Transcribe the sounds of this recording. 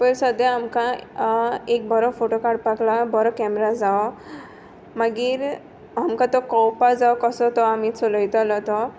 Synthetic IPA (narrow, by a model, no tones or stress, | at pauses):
pəɾsɔd̪aamka | ek̚bʱɔɾɔpʰoʈokaɾɖpaklabɔɾɔkɛmɾad͡zaɔ | maɡiɾ | ɦamkãt̪ɔkɔwpad͡zaɔkɔsɔt̪ɔamit͡sɔləjt̪ɔlɔt̪ɔ